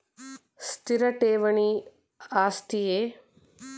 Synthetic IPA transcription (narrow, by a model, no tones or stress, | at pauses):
st̪iɾɐʈeːʋɐɳi | aːst̪ijeː